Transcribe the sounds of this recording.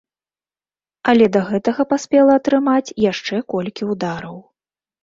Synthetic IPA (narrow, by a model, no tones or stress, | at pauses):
ɐlʲɛd̪ɐɣɛt̪ɐɣɐpasʲpʲɛlˠɐːt̪ɾɨmat͡sʲjaʂt͡ʂɛkɔlʲkʲiud̪aɾɐw